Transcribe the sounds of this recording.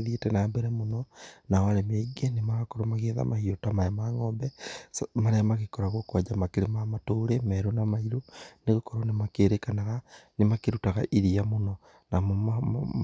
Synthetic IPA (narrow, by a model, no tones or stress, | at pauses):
ðietɛnambɛɾɛmonɔnawaɾɛmaiɡɛnemaɣakɔɾomaɣeða̰mʔahiotamaɛmaŋɔːmbɛsmaɾɛmaɣekɔɾaɣokwad͡ʒamakeɾemamatoːɾemɛɾonamaiɾoneɣokɔɾonemakeːɾekanaɣanemakeɾutaɣaʔiɾiamonɔ | namo